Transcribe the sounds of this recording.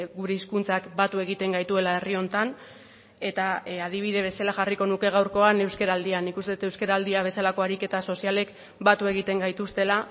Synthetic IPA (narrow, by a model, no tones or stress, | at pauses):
ɡuɾe̞iskunt͡sakbat̪ue̞ɣ̞it̪e̞ŋɡajt̪ue̞lae̞rio̞nt̪an | e̞t̪aað̞iβ̞iðe̞β̞e̞salaʝariko̞nuke̞ɣ̞awɾko̞ane̞wskeɾald̪ianikust̪eut̪ewskeɾald̪iaβ̞e̞salako̞aɾike̞t̪aso̞siale̞k | bat̪ue̞ɣ̞it̪e̞ŋɡajt̪ust̪e̞la